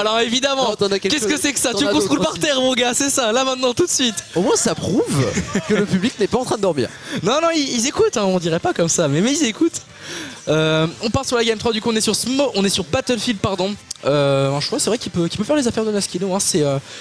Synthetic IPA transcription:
alɔʁevid̪amɑ̃t̪ɑ̃akɛkʲɛskəsɛkə̥saykɔ̃sʁulpaʁtt̪ɛʁmɔ̃ɡasɛsalamɛ̃t̪nɑ̃t̪ut̪sɥit̪omwɛ̃sapχuvkələpybliknɛpaɑ̃t̪χɛ̃d̪d̪ɔʁmḭːʁnɔ̃nɔ̃iilzekut̪ɛ̃ɔ̃d̪iʁɛpakɔmsamɛmɛilzekut̪ | øɔ̃paʁlsyʁlaɡamt̪χwad̪ykuɔ̃nɛsyʁsəmɔɔ̃nɛsyʁbat̪əlfild̪̚paʁd̪ɔ̃øɛ̃ʃwasɛvʁɛkʲipøkʲipøfɛʁlezafɛʁd̪ənaskʲinoɛ̃sɛø

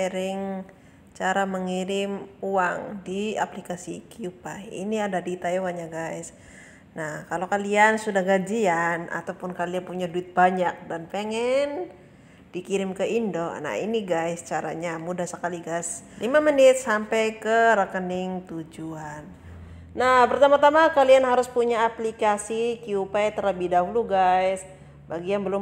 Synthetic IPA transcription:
ɛɾɪŋ | t͡ʃaɾaməŋiɾɪmuaŋdia̰plikasḭkiupajḭniadadit̪ajowaɲaɡajs | nahkalokaliansudahɡad͡ʒiana̰t̪awpʊnkalianpuɲaduɪt̪̚baɲak̚danpeŋɛn | d̥ikiɾɪmkəindo̰na̰ḭniɡajst͡ʃaɾa̰ɲamudahsəkaliɡajslimamənɪt̪̚sampɛjkəɾəkənɪŋt̪ud͡ʒuanː | ahpərt̪amat̪amakalianɦaɾʊspuɲaːplikasikiupajt̪əɾəbidaɦuluɡajs | baɡianbəlʊm

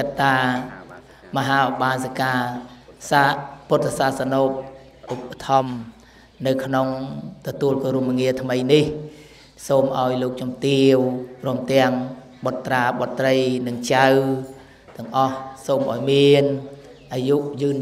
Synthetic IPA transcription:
kət̪ːaː | məɦaːɔɓaːnsakaːsaput̪ːasasanoːp̚ | ʔupːə̥t̪ʰɑm | nɨwkʰnoŋt̪ɔt̪uəlkoːɾumŋiət̪ʰməjnih | soːmʔa̰ɔjloːk̚t͡ɕɑmt̪iəwprɔ̆əmt̪ɛ̆əŋ | ɓɑt̪ːraːɓɑt̪ːrəjnɨŋt͡ɕaw | t̪ɛ̆əŋʔɑhsoːmʔa̰ɔjmiən | ʔaːjuʔjɨːn

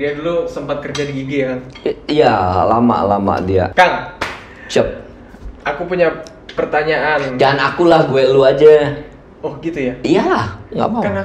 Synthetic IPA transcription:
diadulusəmpat̪̚kərd͡ʒadiɡiɡijakanijalama̰ʔlama̰ʔdia̰kaŋ | t͡ʃəp̚ | ʔakupuɲa | pərt̪aɲaʔand͡ʒanakulahɡuɛluad͡ʒa | ɔhɡit̪ujaijahŋɡa̰ʔma

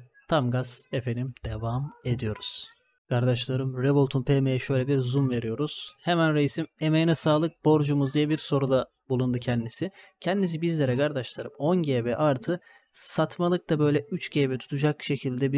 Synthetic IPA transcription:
t̪ʰamɡaz̥efe̞nimd̪̥e̞vame̞d̪ijo̞ɾuz̥ | kʰaɾd̪aʃlˠaɾɯmɾebolˠt̪ʰunpʰeːmejɛʃø̞jlʲɛbiɾzumve̞ɾijo̞ɾuz̥hemænɾejisime̞mejinɛsaːlˠɯk̚bo̞ɾd͡ʒumuzd̪ijɛbiɾso̞ɾud̪a | bulˠund̪ucʰɛnd̪isicʰɛnd̪is̬ibizlʲeɾɛkʰaɾd̪aʃlˠaɾɯmo̞nɟeːbɛʔaɾt̪ʰɯ | sat̪malˠɯk̚t̪abø̞jlʲɛyt͡ʃɟeːbɛt̪ʰu̥t̪ʰud͡ʒakʃe̞cʰilʲd̪ɛbi

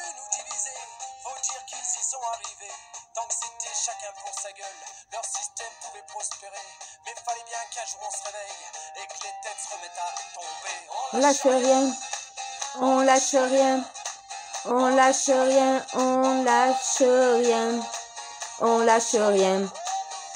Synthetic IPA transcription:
ud̪ivizefod̪iʁkilzisɔ̃aʁivet̪ɑ̃kset̪ɛʃakʲɛ̃pɔ̃saɡœllœʁsist̪ɛmpuvɛpχɔspeʁemifalɛbjɛ̃kaʒuɔ̃sʁevɛjekəlet̪ɛsɔvɛt̪at̪ɔ̃peɔ̃laʃəʁjɛ̃ | ɔ̃laʃəʁjɛ̃ | ɔ̃laʃəʁjɛ̃ɔ̃laʃəʁjɛ̃ | ɔ̃laʃəʁjɛ̃

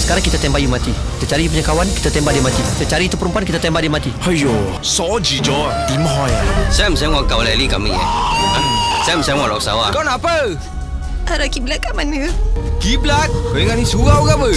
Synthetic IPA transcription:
sə̥kaɾaŋkit̪at̪ɛmbajumat̪ikit̪at͡ʃaɾiupuɲakawanki̥t̪at̪ɛmbaʔdimat̪it̪at͡ʃaɾiːt̪upəɾumpuankit̪at̪ɛmbadimat̪ihajo | sɔd͡ʒid͡ʒɔt̪imɦɔjasɛmsɛŋɔkawlɛlikamia̰ | sɛmsaŋɔlɔk̚sa̰wakɔnapə | aɾakiblatkamanəkiblat̪̚koŋanisuɡawkabə

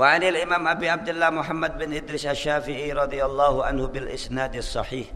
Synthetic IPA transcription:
waʕanɪlʔɪmaːmʔabiːʕab̚d̪ɪlːaːmʊħamːad̪̚bɪnʔɪd̪ɾɪʃʔaʃːaːfɪʕiɾˤɑd̪ˤɨjɑlˤːɑːhʊʕa̰nhʊbɪlʔɪsnaːd̪ɑsˤːɑħiːħ

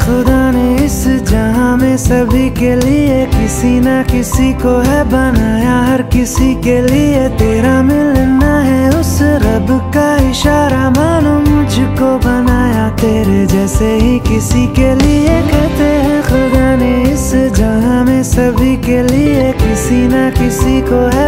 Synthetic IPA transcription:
xʊd̪aneɪsd͡ʒɐɦãmẽsɐbʱikeliekɪsinakɪsikoɦɛbɐnaːjaɦɐɾkɪsikeliet̪eːɾamẽlɛnaɦɛʊsɾɐbkaɪʃaːɾamaːnomʊd͡ʒʱkobɐnaːjat̪eːɾed͡ʒɛːseɦikɪsikeliekɛɦt̪eɦɛ̃xʊɾd̪aːneɪsd͡ʒɐɦãmẽsɐbʱikeliekɪsinakɪsikoɦɛ

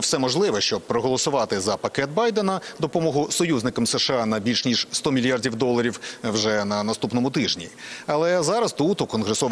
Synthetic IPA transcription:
wsɛmɔʒlˠɪʋɛʃt͡ʃɔb̚pɾɔɦɔlˠɔsʊʋɑt̪ɪzɐpɐkɛt̪̚bɑjd̪ɛnɐd̪ɔpɔmɔɦʊsɔjuznɪkɐmsɛʃeɑnɐbʲilʲʃnʲiʒst̪ɔmʲilʲjardʲiwd̪ɔlˠːɐɾʲiwwʒɛnɐnɐst̪upnɔmʊt̪ɪʒnʲḭɐlˠɛzɑɾɐst̪ut̪ukɔnɦɾesɔʋ

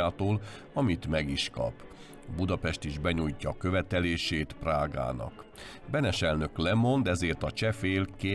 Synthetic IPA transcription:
aːt̪oːl | ɒmit̪mɛɡiʃkɒ̰p | bud̪ɒpɛʃt̪iʒbɛɲujcɒkø̞vɛt̪ɛleːʃeːt̪praːɡa̰ːnɒ̰k | bɛnɛʃɛlnø̞klɛmo̞nd̪ɛzeːrt̪ɒt͡ʃɛfeːlke

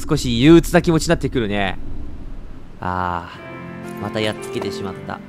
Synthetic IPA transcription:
sɨ̥ko̞ɕijɯ̟ːt͡sɨnakʲimo̞t͡ɕinat̪ːe̞kɯ̟ɾɯ̟ne̞ | a̰ː | mat̪ajatt͡sɨ̥ke̞t̪e̞ɕimat̪ːa̰

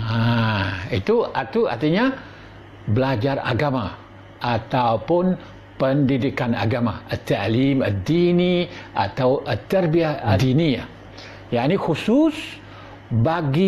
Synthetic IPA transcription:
a | it̪uat̪ua̰rt̪iɲa | bəlad͡ʒara̰ɡama | ʔat̪aupʊn | pəndidikana̰ɡama̰ət̪ːaʔliməd̪iniʔa̰t̪awʔət̪ərbiad̪inia̰ | jaʔnihusus | baɡi

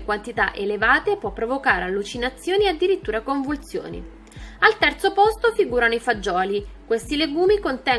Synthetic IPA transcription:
kwant̪it̪aʔelevaːt̪epwɔpːɾovokaːɾealːut͡ʃinat̪sːjoːniead̪ːiɾit̪ːuːɾakoɱvult̪sjo̰ːnḭ | alt̪ɛrt̪sopɔst̪ofiɡuːɾanoifad͡ʒːɔːlikwest̪ileɡuːmikont̪ɛ

